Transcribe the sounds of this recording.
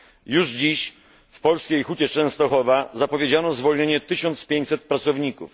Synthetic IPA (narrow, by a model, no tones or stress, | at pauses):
juʐd͡ʑiɕ | fpɔlskʲejxut͡ɕɛt͡ʂɛ̃w̃st̪ɔxɔvazapɔvʲjed͡ʑanɔzvɔlɲeɲɛt̪ɘɕɔnt̪spʲjeɲt͡ɕʲsɛt̪̚pɾat̪sɔvɲikṵf